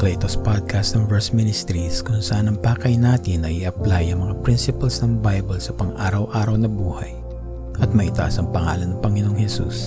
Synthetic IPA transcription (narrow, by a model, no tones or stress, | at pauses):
klejt̪ospad̪̚kast̪ɐŋvɛɹsmɪnɪst̪ɾiskʊŋsɐʔanɐŋpaːkɐjnaːt̪ɪnːɐʔiʔɐplajɐŋmɐŋapɾinsɪpɐlsnɐŋbajbɐlsɐpɐŋʔaːɾɐwʔaːɾɐwnɐbuːhɐ̰j | ʔɐt̪̚mɐʔit̪ɐʔasɐŋpɐŋa̰ːlɐnːɐŋpɐŋɪnoŋhɛsṵs